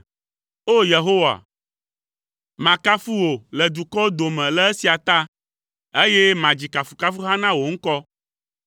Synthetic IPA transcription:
o˦je˨ɦo˦wa̰˨ | mã˨ka˦fu˦wo˨lɛ˨d̪u˨kɔ˦d̪o˨mɛ̃˨lɛ˦e˦si˨a˨t̪a˦ | e˦je˦mã˨d͡ʑi˨ka˨fu˨ka˦fu˦ɦa˦nã˦wo˨ŋ̩˦kɔ˦

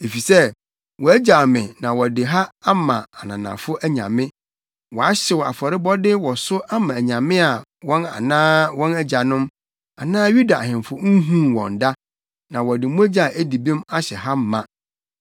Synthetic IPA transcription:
e˨fi˨sɛ˦ | wɔ˨æ˦d͡ʑa˨mɪ̃˨nã˨wɔ˨dɪ˨ɦa˦a˦mã˨a˨nã˨nã̰˨fʊ˦ʔæ˦ɲã̰˨mɪ̃˦ | wɔ˨a˦ɕɪ˨wa̰˨fɔ˨ɾɪ˦bɔ˦dɪ˦wɔ˨sʊ˦ʔa˦mã˨æ˨ɲã˨mɪ̃˦a˨wɔ̃˦na̰˨nãː˦wɔ̃˦næ˦d͡ʑa˨nʊ̃˦m | a˨nãː˦ju˦da˨ɦɪ̃˨m˨fʊ˦ŋ̩˦ɦũ˦wɔ̰̃˨n̩˨da˦ | nã˨wɔ˨dɪ˨mũ˦e˦d͡ʑa˨ʔæ˦di˨bĩ˦ma˦ɕɛ˨ɦa˦m̩˦mã˦

